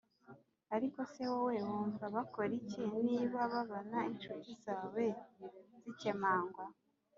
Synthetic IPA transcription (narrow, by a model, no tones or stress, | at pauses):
aɾiko̞se̞wowe̞wuːɱvaβakoɾiceniːβaβaβonaint͡ʃutizaːwe̞zicemaːŋɡwa